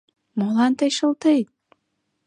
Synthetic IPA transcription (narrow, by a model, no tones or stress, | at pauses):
molɑnt̪əjʃə̆lt̪ejt̪̚